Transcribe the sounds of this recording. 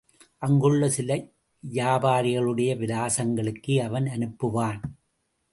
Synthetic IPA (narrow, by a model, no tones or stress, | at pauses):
ʔɐŋɡɯɭːɐsɪlɐ | jaːbaːɾɪɣɐɭɯɽɐjɐʋɪðaːsɐŋɡɐɭɯkːɯɐʋɐnɐnɯpːɯʋaːn